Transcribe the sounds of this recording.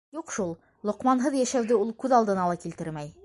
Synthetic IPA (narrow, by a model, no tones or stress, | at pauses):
juqʃulˠ | lˠŏqmɑnɦɤðjæʃæwd̪ɘulˠkʉðɑlˠd̪ɤ̆nɑlˠɑkilt̪ɘɾmæj